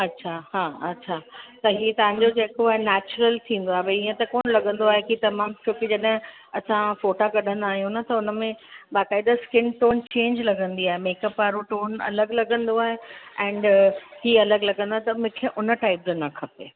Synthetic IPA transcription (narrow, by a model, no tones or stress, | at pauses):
ɐtːɕʰahãːɐtːɕʰaːt̪ɐɦiːt̪ɐʋ̤ãɲd͡ʑod͡ʑeːkoaːɦenɛːt͡ɕɾəlt̪ʰĩːn̆d̪oaːɦebɐiːə̃t̪ɐkoːnlɐɡə̃nd̪oaːɦekit̪ɐmaːmt͡ɕʰoːked͡ʑɐɗɦɪ̃ | ɐsãfoːʈakɐɗʱə̃nd̪aːɦijũnɐt̪ɐʊnə̆mẽbaːkaːɪd̪askɪnʈoːnt͡ɕẽːɲd͡ʑlɐɡʱə̃nd̪iaːɦemeːkəpːaːɾuʈoːnɐ̰ləɡlɐɡə̃nd̪oaːɦeɛ̃ːɳɖhiɐləɡlɐɡə̃nd̪aɦet̪ɐmʊ̃kʰeʔʊnəʈaːɪp̚d͡ʑonɐkʰɐpeː